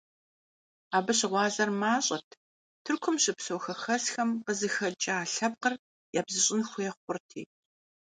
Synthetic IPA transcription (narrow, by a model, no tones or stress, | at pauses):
aːbɨɕɪʁʷɑːzɐrmaːɕʼɐtʰ | tʰɨrkʷʰʊmɕʼɪpsowxɐxɐsxɐmqəzɨxɐt͡ʃʼɐaːɬɐb̚qər | jaːbzɨɕʼɪnxʷʊjɛχʷʊrtʰḭː